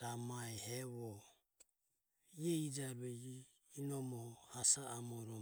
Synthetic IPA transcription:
ɾamaɛhɛβɔ | iɛid͡ʒaɾuɛiː | nɔmɔhhasaːmɔɾɔ

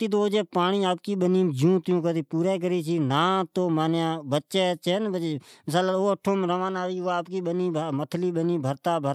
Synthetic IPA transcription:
t̪iːt̪̬oːd͡ʒeːpaːɳ̃iːaːp̚kiːɓəniːmd͡ʒũːt̪jũːkət̪iːpuːɾɛːk̬əɾiːt͡ʃiːnãːt̪oːmaːnjãːbətːʃeːt͡ʃːnbəməsaːloːəʈʰːõːmɾəʋãːnaːʋiːoaːpkiːɓəniːmət̪ʰliːɓəniːbʱəɾt̪aːbʱəɾ

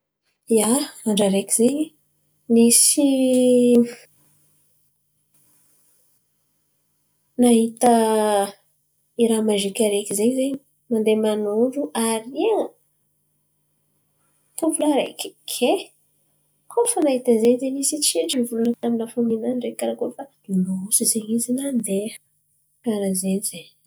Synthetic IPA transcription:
jaaɳɖ͡ʐaɾekʲizeɲ | nisi | naɦit̪ə | iɾamaʒikʲaɾekʲizeɲizeɲ | mand̪emanuɖ͡ʐuʔaɾiaŋ | kavulaɾa̰kʲekʰe | kʰofanaɦit̪əzeɲzenisit͡seʈ͡ʂinivulunət̪aminafominanɖ͡ʐekaɾakofa | inousizeɲizinand̪e | kaɾazenizeɲ

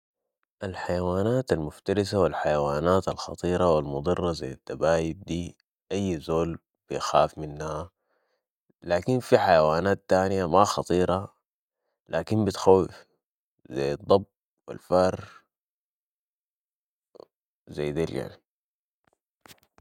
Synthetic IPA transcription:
ʔalħajawaːnaːt̪almʊft̪aɾisawilħajawaːnaːt̪alxɑ̰t̪ˤiːɾˤɑwilmʊd̪ˤɨrˤːɑza̰jːat̪ːabaːjib̚d̪iː | ʔajːzoːl | b̥ijxaːfminːaha | laːkinfiħajawaːnaːt̪ːaːnijamaxɑt̪ˤiːɾˤʔɑ | laːkinbit̪xawːif | za̰jːɑd̪ˤːɑb̚ | wḭlfɑɾˤ | zajːd̪ilja̰ʕni

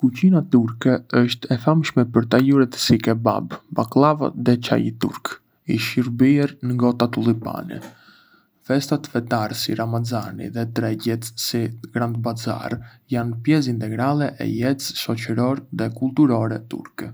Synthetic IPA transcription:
kucinat̪uɾkɛəʃt̪ɛfamʃmɛpəɾt̪ajuɾɛt̪sikɛba̰bbaklˠava̰ðɛt͡ʃa̰jit̪ṵɾk | iʃiɾbiɛɾnəŋɡɔt̪at̪ulˠipa̰nɛ̰ | fɛst̪at̪fɛt̪aɾsḭɾamazanḭðɛt̪ɾɛɟɛt̪siɡɾand̪baza̰r | janpjɛs̬int̪ɛɡɾalˠɛʔɛ̰jɛt͡sʃɔt͡ʃəɾɔɾðɛkulˠt̪uɾɔɾɛt̪ṵɾkɛ

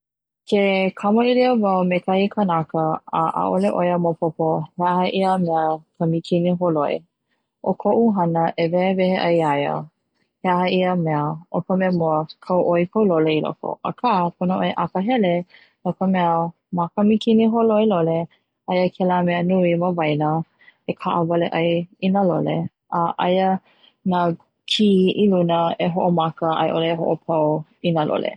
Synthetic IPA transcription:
kʰekʰɐməiliəvawmekʰahikʰənakəəʔa̰ʔoleʔojəmopʰopoheahəʔiəmɛəkʰamikʰiniɦoloḭ | ʔokʰoʔuɦɐnəʔevɛevɛheʔajajə̰ | heaɦəiəmɛəʔokəmɛəmoəkʰawʔojkʰowloleilo̰ko̰ʔə̰kʰapʰonəʔoeʔakəɦɛle | nokəmɛə | makəmikʰiniɦoloilole | ajəkʰɛlamɛənuiməvajnə | ekʰaʔəvɐleʔajinalo̰lḛ | ʔəʔajə | na | kʰiilunəeɦoʔomakəʔa̰jʔoleɦo̰ʔopʰawinalʔo̰lʔḛ

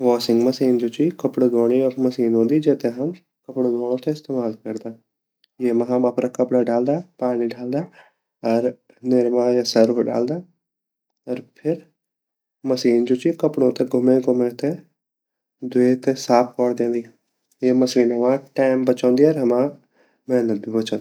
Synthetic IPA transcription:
ʋɔːsɪ̃ŋɡməsiːnd͡ʒoːt͡ʃikəpɽɡoːɽ̃iːəkməsiːnɦõːnd̪iːd͡ʒeːt̪eɦəm | kəpɽõːd̪oːɽõːt̪eɪst̪eːmaːlkəɾd̪aː | jeːmãɦãmapɾaːkəpɽaːɖaːld̪aːpaːnĩːɖaːld̪aː | əɾ | nɪɾmãːjasəɾbɖa̰ːld̪aː | əɾpʰɪɾ | məsiːnd͡ʒoːt͡ʃiːkəpɽõːt̪eɡʱʊmẽːɡʱʊmẽːt̪e | d̪ʊeːt̪esaːpʰkɔːɽd̪ẽːnd̪iː | jeːməsiːnɦəʋãːʈaːɪmbət͡ʃɔ̃ːnd̪iːəɾɦəmãː | mɛ̃ːnəbibət͡ʃɔ̃ːn

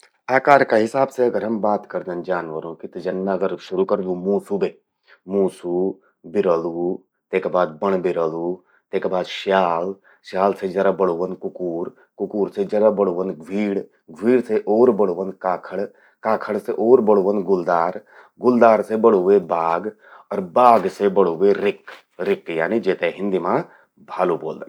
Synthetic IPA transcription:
aːkaːɾkaɦɪsaːbseɐɡəɾɦɐmbaːt̪kəɾd̪ənd͡ʒaːnʋəɾõːkɪt̪d͡ʒɐnːaəɡəɾʃʊɾukəɾd̪ũːmuːsubeː | muːsu | bɪɾəluː | t̪eːkebaːd̪̚bəɳ̃bɪɾəlu | t̪eːkːbaːd̪ʃaːl | ʃjaːlsed͡ʒɐɾabəɽuʋənkʊkuːɾ | kʊkuːɾsed͡ʒɐɾabəɽuːʋənɡʱʋiːɽ | ɡʋiːɽseʔoːɾbəɽuʋənkaːkʰəɽ | kaːkʰəɽseʔoːɾbəɽuʋənɡʊld̪aːɾ | ɡʊld̪aːɾsebəɽuʋebaːɡ | ɔɾbaːɡsebəɽuʋeɾɪk | ɾɪkja̰ːnid͡ʒeːt̪eɦɪ̃nd̪imã | bʱaːluboːld̪ən

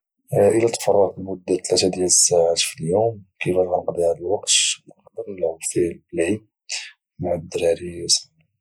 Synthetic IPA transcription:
ʔəlæt̪fɑrˤːɑq̪mʊd̪ːæt̪læt̪æd̪jælsːaʕat̪filjumkəfælʕɑqd̪ˤiʕalælwɑqt̪ləqd̪əɾlʊfilbəlʕi | maʕad̪ːəɾɾisn

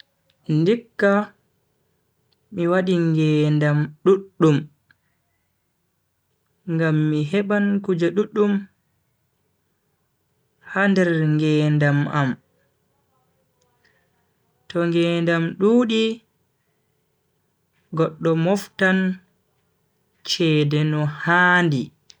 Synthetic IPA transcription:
ndikːa | miwaɗiŋɡɛːndamɗuɗːum | ŋɡamːiɦɛɓankud͡ʒaɗuɗːum | handɛɾŋɡɛːndamam | tɔŋɡɛːndamɗuːɗi | ɡɔɗːɔmɔftan | t͡ʃɛːdɛnɔhaːndi

